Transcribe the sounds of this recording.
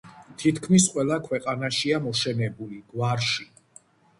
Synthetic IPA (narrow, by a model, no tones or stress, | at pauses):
t̪ʰit̪ʰkʰmisqʼwɛlˠakʰwɛqʼanaʃiamɔʃɛnɛbuliɡ̥waɾʃi